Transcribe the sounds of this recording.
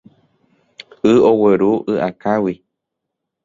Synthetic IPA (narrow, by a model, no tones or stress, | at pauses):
ɨoweɾuʔɨʔakawi